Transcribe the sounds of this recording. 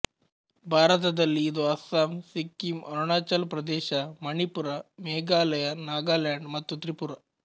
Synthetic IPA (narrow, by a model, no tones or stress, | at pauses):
bʱaːɾɐt̪ɐd̪ɐlːiːd̪oɐsaːmsikːimɐɾuɳaːt͡ʃɐlpɾɐd̪eːɕɐmɐɳipuɾameːɡaːlɐjɐnaːɡaːljaɳɖmɐt̪ʋɐt̪ɾipuɾa